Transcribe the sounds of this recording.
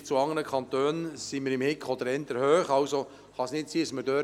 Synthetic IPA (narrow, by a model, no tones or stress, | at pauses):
t͡suɑŋənəkʰɑnt̪øːnsiməɾɪmhɪkʰχɔd̪əɾɛnt̪əɾhøːχɑwso | χɑsnɪtsiːəsmədøː